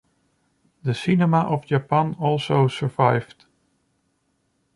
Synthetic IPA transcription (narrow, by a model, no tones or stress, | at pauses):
ðəsɪnɛməʔɔvd͡ʒapãnɔlˠsoʊsə˞vaɪvd̥